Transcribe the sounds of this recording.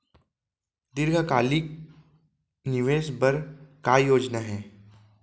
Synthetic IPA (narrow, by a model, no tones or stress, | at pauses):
d̪ɪɾɡʱakaːlik̚ | nɪʋeːʃbɐɾkaːjoːd͡ʒnaɦɛː